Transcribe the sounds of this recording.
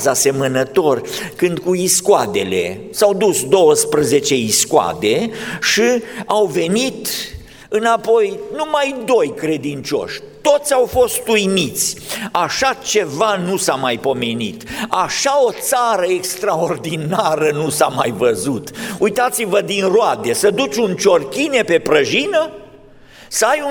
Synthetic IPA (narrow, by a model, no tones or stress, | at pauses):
zase̞mənət̪o̞rkɨnd̪̚kuiskwad̪e̞le̞̰ | sawd̪usd̪o̞wəspɾəze̞t͡ʃe̞iskwa̰d̪e̞ʃiawve̞nit̪ | ɨnapo̞jnumajd̪o̞jkɾe̞d̪int͡ʃo̞̰ʃʲ | t̪o̞t̪sʲawfo̞st̪ujmit̪sʲaʃat͡ʃe̞vanusamajpo̞me̞nḭt̪aʃao̞t̪saɾəekst̪ɾao̞rd̪inaɾənusamajvəzut̪ujt̪at̪sivəd̪inroad̪e̞səd̪ut͡ʃʲunt͡ʃo̞rkʲine̞pe̞pɾəʒinə | səaju